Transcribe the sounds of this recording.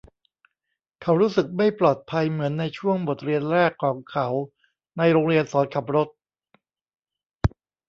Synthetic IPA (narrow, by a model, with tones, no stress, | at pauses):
kʰa˩˦˥wɾuː˦˥sɯ˨˩k̚ma˥˩jplɔː˨˩t̪̚pʰa˧jmɯ˩˦ənːa˧jt͡ɕʰu˥˩əŋbo˨˩t̪̚ɾi˧ənɾɛː˥˩kʰːɔː˩˦ŋkʰa˦˥w | na˧jɾoː˧ŋɾi˧ənsɔː˩˦nkʰa˨˩p̚ɾo˦˥t̪̚